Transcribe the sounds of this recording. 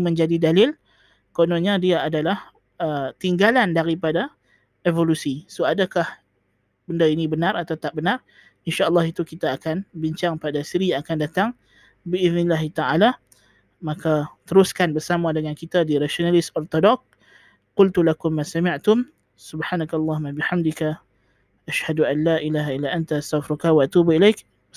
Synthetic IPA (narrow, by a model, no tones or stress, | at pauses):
mə̃ɲd͡ʒadidalɪl | konoɲãdiaʔadalah | ət̪iŋɡalandaɾipada | ʔevolusisoadakah | bəndainĩbənaɾat̪awt̪aʔbənar | inʃaʔəlːɑɦit̪ukit̪aːkanbiɲt͡ʃaŋpadasiɾiakandat̪aŋ | biʔɪðnɪlaɦit̪aʕala | makat̪əɾʊskanbərsamãdəŋankit̪adiɾaʃionalɪsɔrt̪ɔdɔk̚ | qʊlt̪ulakʊmːasamɪʕt̪ʊm | subħaːnakalˤːɑɦumabiħamdika | ʔaʃhaduʔanlaːʔilaːɦailːaʔant̪aast̪afɾukawaʔat̪ubilajk